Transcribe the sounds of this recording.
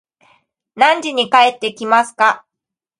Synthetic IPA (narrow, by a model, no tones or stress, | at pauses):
nãɲ̟d͡ʑiɲ̟ikae̞t̪ːe̞kʲimasɨ̥ka